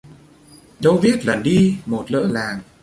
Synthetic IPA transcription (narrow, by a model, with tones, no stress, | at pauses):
ɗə˧wvi˦˥ət̚lə˨˩nɗi˧mo˨˩t̚lə̰ː˧˥laː˨˩ŋ